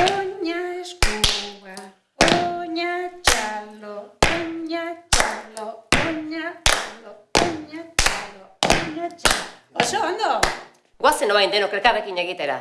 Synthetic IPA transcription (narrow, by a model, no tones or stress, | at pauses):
oɲaeskuɣa | oɲat͡ʃalooɲat͡ʃalooɲat͡ʃalooɲat͡ʃalooɲat͡ʃa | osoond̪o | ɡwasenoβajnd̪enokeɾkaβekiɲeɣit̪eɾa̰